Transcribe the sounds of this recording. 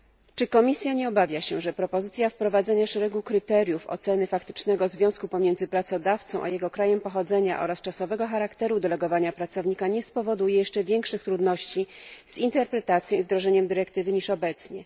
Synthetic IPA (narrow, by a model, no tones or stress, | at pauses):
t͡ʂɘkɔmʲisʲjaɲɛɔbavʲjaɕɛʐɛpɾɔpɔzɘt̪sʲjafpɾɔvad̪zɛɲaʂɛɾɛɡukɾɘt̪ɛɾʲjufɔ̰t̪sɛnɘfakt̪ɘ̥t͡ʂnɛɡɔzvʲjɔ̃w̃skupɔmʲjɛnd̪zɘpɾat̪sɔd̪aft̪sɔ̃w̃ʔa̰jɛɡɔkɾajɛmpɔxɔd̪zɛɲaʔɔ̰ɾast͡ʂasɔvɛɡɔxaɾakt̪ɛɾud̪ɛlɛɡɔvaɲapɾat̪sɔvɲikaɲɛspɔvɔd̪ujɛjɛʂt͡ʂɛvʲjɛŋkʂɘxt̪ɾud̪nɔɕt͡ɕiz̥int̪ɛɾpɾɛt̪at̪sjɔ̃w̃ivd̪ɾɔʐɛɲɛmd̪ɘɾɛkt̪ɘvɘɲiʂɔbɛt̪sɲɛ